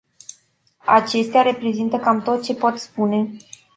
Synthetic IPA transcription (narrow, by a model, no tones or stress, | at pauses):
a̰t͡ʃe̞st̪eaɾe̞pɾe̞zint̪əkamt̪o̞t̪̚t͡ʃe̞po̞t̪spune̞